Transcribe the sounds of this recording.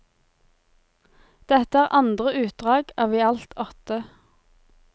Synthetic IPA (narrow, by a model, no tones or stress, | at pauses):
d̪̥ɛt̪əæːʁʔɑnd̪ʁəʔʉːt̪̚d̪ʁɑːɡɑːʋiːɑlt̪ʰɔt̪ə